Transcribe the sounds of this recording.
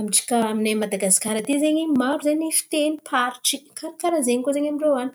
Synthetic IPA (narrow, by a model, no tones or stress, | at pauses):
amiʈ͡ʂi̥kaaminemad̪aɡasi̥kaɾat̪izeɲimaɾuzaɲifi̥t̪enipʰaɾiʈ͡ʂikkaɾikaɾazeɲikozeɲamiɳrowani̥